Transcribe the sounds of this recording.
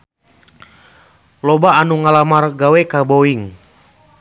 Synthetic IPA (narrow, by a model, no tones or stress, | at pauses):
lɔbaːnuŋalamarɡawɛkaboiŋ